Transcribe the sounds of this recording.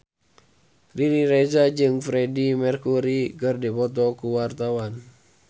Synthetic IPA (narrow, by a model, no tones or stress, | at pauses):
riɾiɾezad͡ʒɨŋfɾedimɛrkuɾikərdipɔt̪̬ɔkuwart̪awan